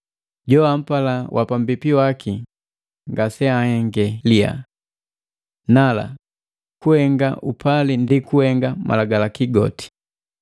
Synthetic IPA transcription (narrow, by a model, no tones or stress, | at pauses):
ɟɔam̩palawʔa̰pambipiwaki | ŋɡasɛahɛŋɡɛlia̰ | nala̰ | kuhɛŋɡaʔupʰalindikuhɛŋɡamʔa̰laɡalakiɡɔ̰ti̥